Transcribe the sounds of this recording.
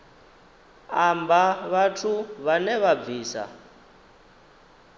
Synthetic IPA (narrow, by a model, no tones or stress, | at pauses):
ambaβatʰuβanɛβab̪viːsa̰